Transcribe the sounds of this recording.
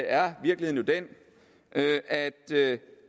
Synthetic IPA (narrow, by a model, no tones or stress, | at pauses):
æɐʋiɐɡ̥lihe̝̰njod̥en̰ | ʔøʔæd̥ø